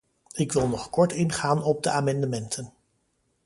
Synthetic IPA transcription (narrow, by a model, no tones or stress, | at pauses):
ɪkʋɪlˠnɔχkɔɹtɪnχaːnɔb̚dəaːmɛndəmɛntʰən